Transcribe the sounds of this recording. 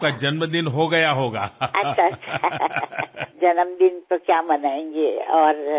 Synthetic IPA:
kad͡ʒɐnməd̪ɪnɦoɡɐjaɦoːɡaːɐtːʃʰaɐʃʰa | d͡ʒɐnəmd̪ɪnt̪okjaːmɐnaːẽːŋɡeɔːɾ

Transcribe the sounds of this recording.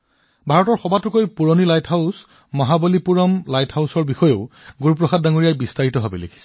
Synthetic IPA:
bʱaɹɔtɔɹxɔbatʊkojpuɹonilajtʰhaʊs | mɔɦabolipuɹɔmlajtʰhawsɔɹbixɔjeʊɡuɹup̬ɹɔxad̚daŋoɹijajbistaɹitɔɦabelḛkʰi̥sɛ̥

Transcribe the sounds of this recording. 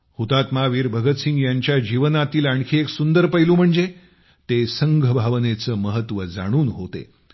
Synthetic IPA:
hut̪at̪maʋiːɾbʱəɡət̪sĩŋɡjaɲt͡ɕjad͡ʑiʋənat̪iːlaɳkʰiːeksund̪əɾpəjluːm̤əɳd͡ze | t̪esəŋɡʱəbʱaʋnet͡səːməɦət̪ʋəd͡za̰ɽ̃uːnɦot̪ḛ

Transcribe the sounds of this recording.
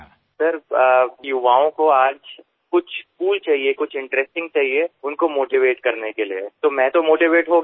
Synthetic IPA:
sɐɾjʊʋaːõkoaːd͡ʒ | kʊt͡ʃʰskuːlt͡ʃaːɦiekʊt͡ʃʰɪ̃ɳʈɾɛsʈɪ̃ŋɡ̚t͡ʃaːɦieʊnkomoːʈiʋeːʈkɐɾnekeliet̪omɛ̃t̪omoːʈiʋeːʈɦoɡ

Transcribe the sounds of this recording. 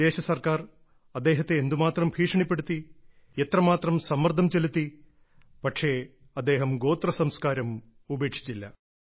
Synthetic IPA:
e̞ːɕɐsɐrkaːr | ɐd̪ːe̞ːɦɐt̪ːeːnd̪umaːt̪rɐmbʱiːʂɐɳipːe̞ɽut̪ːi | et̪rɐmaːt̪rɐmsɐmːɐrd̪ʱɐmt͡ɕe̞lut̪ːi | pɐʈʂe̞ | ɐd̪ːe̞ːɦɐmɡo̞ːt̪rɐsɐmskaːɾɐm | ubʱeːkʂi̥t͡ɕːilːɐ

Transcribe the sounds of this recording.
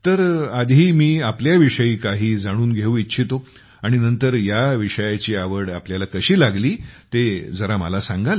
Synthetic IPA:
t̪əɾad̪ʱiːmiːapljaʋiʂəiːkaɦiːd͡zaɽ̃uːnɡʱeũitːt͡ɕʰit̪o | aɽ̃inənt̪əɾjaʋiʂəjat͡ɕiːaʋəɽapljalakəɕiːlaɡliːt̪ed͡zəɾamə̰lasãŋɡʱal

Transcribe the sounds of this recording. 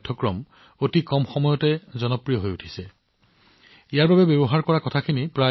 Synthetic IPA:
dʰʱːɔkɹɔm | otikɔmxɔmɔjɔtɛzɔnɔpɹijɔɦojutʰi̥sɛ | ijaɹbabɛbjɔbɔɦaɹkɔɹakɔtʰakʰinipɹa

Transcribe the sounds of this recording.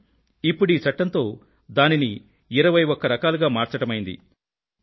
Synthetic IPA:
ipːuɽiːt͡ʃɐʈːɐnt̪o̞ː | d̪aːnini | iɾɐʋɐjɔkːɐɾɐkaːluɡaːmaːɾt͡ʃɐʈɐmɐjind̪ḭ

